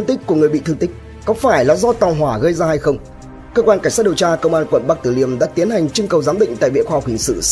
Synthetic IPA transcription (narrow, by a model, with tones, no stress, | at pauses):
ŋt̪ï˦˥k̟̚kːu˧˩əŋɨ˨˩ɓḭ˧˨t̪ɨ˧ŋt̪ï˦˥k̟̚ | kɔ˨˦faː˧˩jlaː˨˩zɔ˧˦t̪a˨˩wɦwaː˧˩ɣə˧jzaː˧ha˧jxə˧wŋ͡m | kəː˧kwaː˧nka˧˩ŋ̟sa˦˥ɗi˨˩əwt͡ɕaː˧kə˧wŋ͡mʔaː˧nkwə̰˧˨nɓa˦˥k̚t̪ɨ˧˩li˧˩əmɗa̰ː˧˥t̪i˨˦ənha˨˩jŋ̟t͡ɕʊ˧ŋkə˨˩wzaː˨˦mɓḭ˧˨ŋ̟t̪a̰ː˧˨jvḭ˧˨əxwaː˧h̚hï˨˩ŋsɨ̰˧˨